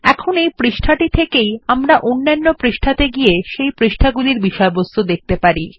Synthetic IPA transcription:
ɛkʰonejpɾiʃʈʰaʈit̪ʰekejamɾaʔonːanːopɾiʃʈʰat̪eɡieʃejpɾiʃʈʰaɡuliɾbiʃɔebost̪ʰod̪ek̚t̪epaɾi

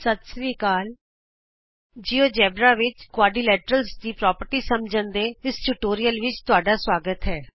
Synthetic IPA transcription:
sət̪sʋiːkaːl | d͡ʒiːoːd͡ʒɛːbɾaːʋɪt͡ʃkʊwaːɖiːlɛːʈəɾəlsd̪iːpɾɔːpəɾʈiːsəmd͡ʒə̃nd̪eːɪsʈuʈoːɾijəlʋɪt͡ʃt̪ʊaːɖaːswaːɡət̪ɦɛː

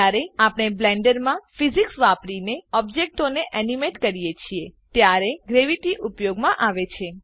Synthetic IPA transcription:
aɾeapɳ̃eblɛɳɖəɾmãfiziksʋapɾineɔbd͡ʒek̚ʈoneʔɛnimeʈkəɾijet͡ʃʰiet̪jaɾeɡɾeʋiʈiʔupjoɡmãʔaʋet͡ʃʰe

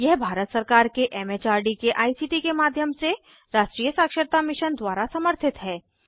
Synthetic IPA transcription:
jɛɦbʱaːɾət̪səɾkaːɾkeʔɛːmet͡ʃaːɾɖikeʔaːisiːʈikemaːd̪ʱjəmse | ɾaːʃʈɾiːjəsaːkʃəɾt̪amɪʃənd̪waːɾasɐməɾt̪ʰɪt̪ɦɛː

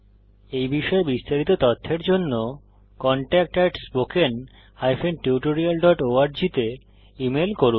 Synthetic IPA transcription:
ejbiʃɔebist̪aɾit̪ot̪ɔt̪ʰːeɾd͡ʑonːo | kɔɳʈɛk̚ʈaʈsboken | ajfenʈiuʈoɾialɖɔʈoaɾd͡ʑit̪e | imelkoɾun

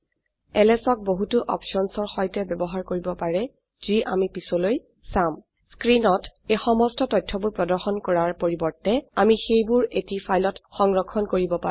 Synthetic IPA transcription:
ɛlɛsɔk̚boɦutʊʔɔ̰pʃɔnsɔɹxɔjtɛbɛbɔɦaɹkoɹibɔpaɹɛ | ziʔa̰mipisɔloj | sam | skɹinɔtejxɔmɔstɔtɔjtʰːɔbuɹpɹɔdɔɹxɔnkɔɹaɹpoɹibɔɹtɛamixejbʊɹetipʰajlɔtxɔŋɹɔkʰːɔnkoɹibɔpa

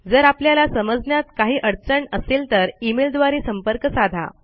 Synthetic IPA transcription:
d͡zəɾapljalasəməd͡znjat̪kaɦiːʔəɽt͡səɳəsiːlt̪əɾimeld̪ʋaɾiːsəmpəɾkəsad̪ʱa̰

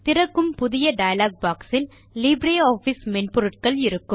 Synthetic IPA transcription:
t̪ɪɾɐkːɯmpʊðɪjɐɖɐjɐlaːɡ̚baːksɪn | liːbɾeːaːfismɛɳpɔɾɯʈkɐɭɪɾɯkːɯm

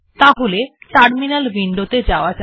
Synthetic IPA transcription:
t̪aɦoleʈaɾminalbiɳɖot̪ed͡ʑaoad͡ʑ

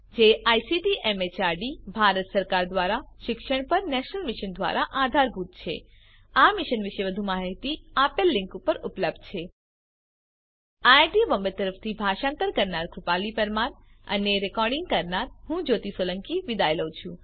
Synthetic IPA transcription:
d͡ʒeʔajsiʈiʔemet͡ʃaɾɖibʱaɾət̪səɾkaɾd̪ʋaɾaʃɪkʃəɽ̃pəɾnɛʃnəlmɪʃənd̪ʋa̰ɾaʔad̪ʱaɾbʱut̪̚t͡ʃʰḛ | amɪʃənʋɪʃeʋəd̪ʱumãɦəɦt̪iapelːɪ̃ŋkupəɾupləb̚d̪̚t͡ʃʰe | aʈibəmbət̪ːəɾəft̪ʰibʱaʃãnt̪əɾkəɾnaɾɡɾʊpalipəɾmanə̰neɾekɔɾɖɪ̃ŋɡ̚kəɾnaɾɦũd͡ʒot̪isoləŋkiʋid̪ajləwt͡ʃʰũ

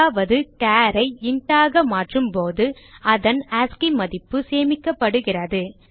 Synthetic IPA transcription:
aːʋɐðɯkaːɾɐɪɪɳʈaːɣɐmaːʈrɯmpoːðɯɐðɐnaːskimɐðɪpːɯseːmɪkːɐpːɐɽɯɣɪrɐðɯ

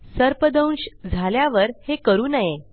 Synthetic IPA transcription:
səɾpəd̪əw̃nɕd͡zʱaljaʋəɾhekəɾuːnaje

